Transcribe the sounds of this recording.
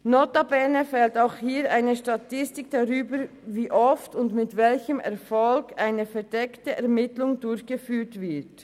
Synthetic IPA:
notabɛɐnəfɛltaʊxhiːɾaɪnəʃtatɪstɪkd̥aʁyːbə | viːʔɔftʊndmɪtvɛlçəmɛ̰ʁfɔlkaɪnəfɛɐdɛktəʔɛʁmɪtlʊŋdʊɾçɡ̥əfyːtvɪɐt

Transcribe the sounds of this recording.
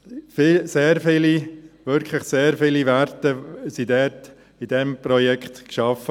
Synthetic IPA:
fiseːɾfɪːliʋʏɾkʰləχseːɾfɪliʋæɾtəsidɛːt | id̥ɛmpɾɔjɛkχt̪kʃɑfə

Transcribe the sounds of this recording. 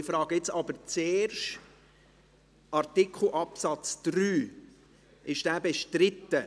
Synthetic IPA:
ɪfɾɑːɡəɪt͡sɑbəɾt͡seːɾʃ | ʔɑɾtɪkʰχl̩ʔɑpsɑt͡sd̪̥ɾyː | ʔɪʃd̥æːbɛʃtɾɪt̪ːə

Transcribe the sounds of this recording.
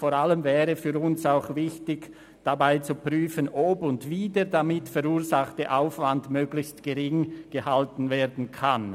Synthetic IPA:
foːɾaləmvɛːʁəfyːɾʊnsaʊxvɪçtɪç | d̥abaɪt͡supʁ̥yːfənʔɔbʊndviːdeːɐdamɪtfɛɾuːzaχtəʔaʊfvandmøːɡlɪçstɡ̥əʁɪŋɡ̥əhaltn̩vɛːdn̩kʰan

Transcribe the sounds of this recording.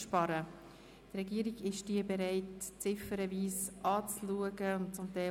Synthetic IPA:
ʃpɑɾə | trɛɡiəɾiɡɪʃd̥iəbɛɾaɪtt͡sɪfəɾəviːsʔɑːt͡sluəɡəʊntt͡sʊmt̪ɛɪ

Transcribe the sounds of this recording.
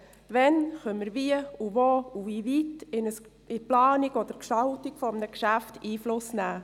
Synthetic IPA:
ʋɛnχœnməɾviəuvouviːvitɪnəs | ɪplɑːniɡɔd̪əɾkʃtɑltikfɔəmnəkʃæftiːflʊsnæː

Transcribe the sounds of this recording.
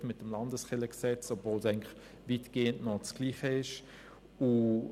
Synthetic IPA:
tmɪt̚dəmlɑndəsχɪləksɛt͡sobvoːlsaɪŋnlɪχ | viːtɡ̥eːəntnɔt͡sɡ̥liːχəɪʃ | u

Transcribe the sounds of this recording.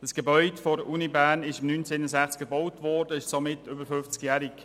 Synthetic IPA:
d̥ɑsɡ̥ebœʏdəfɔɾəʔunibæːnɪʃɪmnyːnt͡seːnəsæχt͡sk̚ɡ̥əbɔwtvɔːrdəɪʃsomɪtʏbəɾfʏft͡skjæːɾɪk

